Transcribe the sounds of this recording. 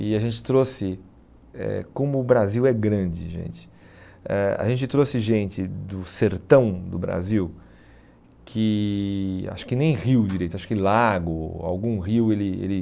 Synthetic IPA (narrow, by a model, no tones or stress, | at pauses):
ɪaʒẽnt͡ʃɪ̥t̪ɾosɪ | ɛ̰kõmʊːbɾaziwɛɡɾɐ̃d͡ʒɪʒḛ̃nt͡ʃɪ̥ | ɛa̰ʒẽnt͡ʃɪt̪ɾosɪʒẽnt͡ʃɪd̪ʊseɾt̪ɐ̃w̃d̪ʊbɾa̰ziw | kʰɪ | a̰ʃʊ̥kɪnẽj̃hiwd͡ʒiɾejt̪ʊaʃʊ̥kɪlaɡʊa̰wɡũɦiwelɪḛlɪ